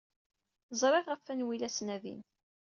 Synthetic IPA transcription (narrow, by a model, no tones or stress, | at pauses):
zˤɾˤɪʁʁəfːænwilæsnæðḭn